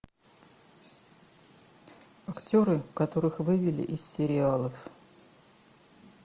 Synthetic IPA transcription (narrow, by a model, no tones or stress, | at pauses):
ɐktʲo̞ɾɨkɐt̪o̞ɾɨxvɨvʲɪlʲɪ̰ʔɪssʲɪɾʲɪalˠəf